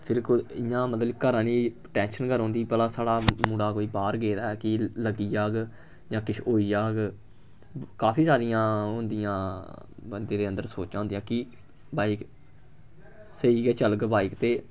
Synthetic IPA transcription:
pʰɪɾkoɪjãːmət̪ləkəɾãːniː | ʈɛ̃ːnʃənkəɾɦõːnd̪iːpəlaːsaːɽaːmũːɽaːkoːiːbaːɾɡeːd̪aːɛːkɪləɡiːd͡ʒaːɡ | d͡ʒãːkɪʃʰoːiːd͡ʒaːɡ | kaːpʰiːsaːɾɪjãːɦʊ̃nd̪ijãː | bənd̪ẽːd̪eːənd̪əɾsoːt͡ʃãːõnd̪ijãːkɪ | baːik | səiːɡɛːt͡ʃəlɡbaːikt̪eː

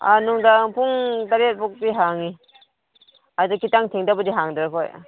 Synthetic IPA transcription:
a̰nuŋdapʰuŋtaɾet̚bɔk̚biɦaŋi | adɯkitaŋtʰiŋdabɔdiɦaŋdɾakʰɔj

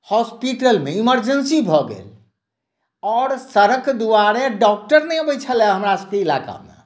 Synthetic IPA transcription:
hɔspiʈəlmeiməɾd͡ʒənsibʱɔɡḛl | ɔːɾsəɾəkd̪uaɾeɖɔk̚ʈəɾnɛjbət͡ʃʰəlɛɦəmɾasəb̚keila̰ka̰mḛ

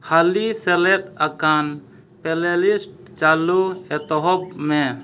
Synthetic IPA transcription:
halisɛlɛt̪akan | pɛlelisʈ | t͡ʃaluɛt̪ɔɦɔbmɛ̃

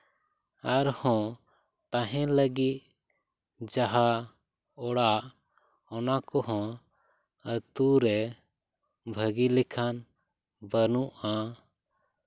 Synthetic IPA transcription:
aɾhɔ̃ | t̪ãɦɛ̃ləɡit̪̚ | d͡ʒaɦa | ɔɽaʔ | ɔnakɔɦɔ̃ | ət̪uɾɛ | bʱəɡilikʰan | bənuʔa

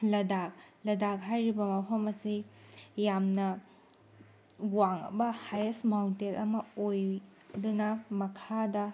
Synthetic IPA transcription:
lɐdak̚lɐdak̚ɦajɾibɐmɐpʰɐmɐsijamnɐ | waŋɐ̰bɐhajesmawntelɐmɐoj | dunɐmɐkʰadɐ

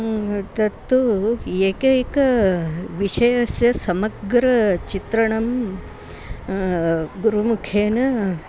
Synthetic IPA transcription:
t̪ɐt̪ːueːkekɐʋiʂɐjɐsjɐsɐmɐɡɾɐt͡ʃit̪ɾɐɳɐm | ɡuɾumukʰeːnɐ

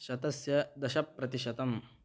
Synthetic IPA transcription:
ʃɐd̪ɐsjɐd̪ɐʃɐpːɾɐt̪iʃɐt̪ɐm

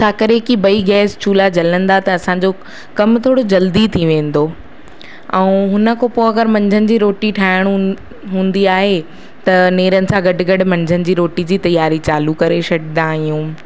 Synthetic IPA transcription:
t͡ɕʰaːkɐɾekibɐiɡɛːst͡ɕʰuːlad͡ʑɐlə̃nd̪at̪ɐɐsãɲd͡ʑo | kɐmt̪ʰoːɽod͡ʑɐld̪it̪ʰiʋẽːn̆d̪oː | ɛ̃ːɦʊnə̆kʰopoːɐɡəɾmɐ̃ɲd͡ʑʱənɪ̆d͡ʑiːɾoːʈiʈʰaːɪɽ̃ | ɦũːn̆d̪iaːɦe | t̪ɐneːɾənɪ̆sãɡɐɖɡɐɖ̆mɐ̃ɲd͡ʑʱənɪ̆d͡ʑiːɾoːʈid͡ʑiːt̪ɐjaːɾit͡ɕaːlukɐɾeʃɐɖɪnd̪ãːɦijũː

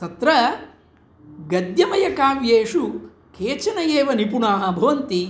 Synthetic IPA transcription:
t̪ɐt̪ɾɐ | ɡɐd̪jɐmɐjɐkaːʋjeːʂu | keːt͡ʃɐnɐjeːʋɐnipunaːɦɐ̆bʱɐʋɐnt̪i

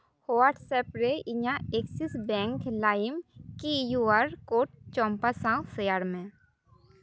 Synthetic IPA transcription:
hoʋaɾʈsɛpɾeʔɪɲãeksisbɛ̃ŋklaːɪmkijuaɾkoːʈ̚t͡ʃɔ̃ːmpasãsəjaːɾmẽ

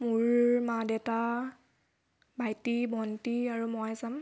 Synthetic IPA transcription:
muɹmadɛta | bajtibʱɔntiaɹumɔjazam

